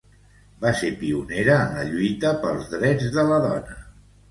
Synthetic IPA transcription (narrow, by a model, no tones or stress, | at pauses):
basepiuneɾəːnləʎujt̪əpəlˠzðɾɛd͡zðələðɔnə